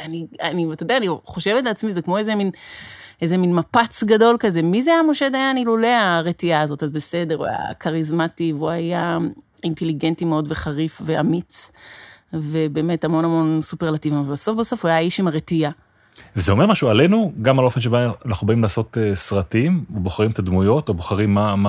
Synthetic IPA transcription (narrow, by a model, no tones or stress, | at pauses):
anianit̪odeaːniχo̞ʃevetleat͡smizekmo̞ezeminezeminmapat͡sɡado̞lkaze̞mizeamoʃed̪ajanilule̞aʁetiaːzo̞tazbese̞de̞ʁuja̰kaʁizmativuaja | inteliɡe̞ntimeo̞dve̞χaʁifve̞amit͡s | ve̞be̞ːme̞tamo̞namo̞nsupeʁlativimabaso̞fbeso̞fuajaiʃimaʁetija | vezeo̞me̞ʁmaʃuale̞nuɡamalo̞fenʃebaanaχnubaimlaːso̞tesʁatimoboχaʁimet̪ad̪mujo̞toboχaʁimːama